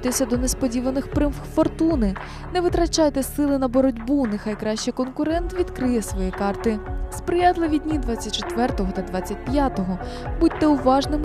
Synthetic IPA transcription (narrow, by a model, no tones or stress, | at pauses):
t̪esʲɐd̪ɔnɛspɔdʲiʋɐnɪxpɾɪm | fɔrt̪unɪ | nɛʋɪt̪ɾɐt͡ʃɑjt̪ɛsɪlˠɪnɐbɔɾɔdʲbunɪxɑjkɾɑʃt͡ʃɛkɔnkʊɾɛnt̪ʋʲid̪kɾɪjɛsʋɔjikɑrt̪ɪspɾɪjɑt̪lˠɪʋʲidʲnʲid̪ʋɑt͡sʲːɐt̚ʲt͡ʃet̪ʋɛrt̪ɔɦɔt̪ɐd̪ʋɑt͡sʲːɐt̚ʲpʲjat̪ɔɦɔ | butʲt̪ːɛʊʋɑʒnɪm